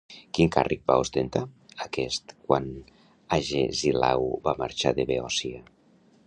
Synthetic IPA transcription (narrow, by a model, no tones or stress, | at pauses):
kiŋkarʔik̚ba̰ust̪ent̪aakɛst̪kwan | aʒḛzila̰wbamaɾt͡ʃaðeβeɔsia